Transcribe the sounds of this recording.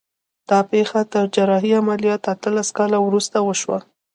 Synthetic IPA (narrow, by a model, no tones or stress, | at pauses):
d̪̥ɑpexat̪əɾd͡ʒaɾɑɦiamalijɑt̪at̪əlaskɑlawɾust̪awəʃwa̰